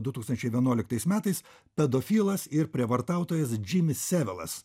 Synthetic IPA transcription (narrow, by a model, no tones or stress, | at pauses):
d̪ʊt̪uːkst̪ɐnʲt͡ʃʲɛɪʋʲiɛnuɔlʲɪkt̪ɐɪsmʲæːt̪ɐɪs | pʲɛd̪ofʲiːlˠɐsɪɾpʲɾʲiɛʋɐɾt̪ɑˑʊt̪oːjɛsd͡ʒʲɪmʲɪsːʲæʋʲɛlˠɐ̰s